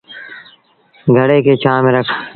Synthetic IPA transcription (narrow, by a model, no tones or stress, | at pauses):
ɡʱəɽeːkeːt͡ʃaːmeɾəkʰ